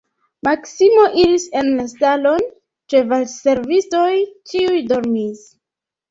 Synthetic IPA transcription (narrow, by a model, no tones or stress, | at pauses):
maksimo̞ʔiɾise̞nlastalo̞n | t͡ʃe̞valse̞ɾvisto̞jt͡ʃiujdo̞ɾmis